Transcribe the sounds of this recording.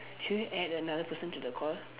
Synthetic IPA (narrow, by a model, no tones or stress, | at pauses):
huɛdənaðəpʰəsə̃ntudəkʰɔl